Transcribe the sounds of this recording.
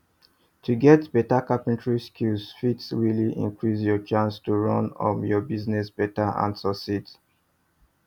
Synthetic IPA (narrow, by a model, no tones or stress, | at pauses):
tʰuɡɛtb̥ɛtakapɛ̃ntɹiskʰulsfitsɹiliʔḭ̃ŋkɹisjɔt͡ʃãnstuɹɔ̃nɔ̰̃mjɔbiznɛsb̥ɛtaã̰nsɔsit